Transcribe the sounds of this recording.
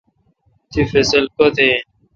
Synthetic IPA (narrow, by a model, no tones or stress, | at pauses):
t̪ifesəlkot̪e